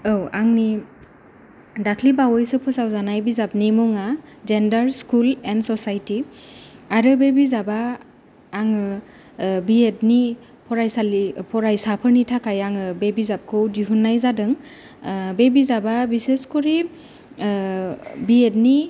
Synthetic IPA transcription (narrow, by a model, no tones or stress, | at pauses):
ɯwaŋni | dakʰlibawɔjsɯpʰɯsawzanajbizap̚nimɔŋazendaɾskulendsɔsajti | aɾɯbebizabaː | ŋɯ | biet̚ni | pʰɔɾajsalipʰɔɾajsapʰɯɾnitʰakajaŋɯbebizap̚kʰɯwdiɦunːajzadɯŋ | bebizababiseskɔɾi | biet̚ni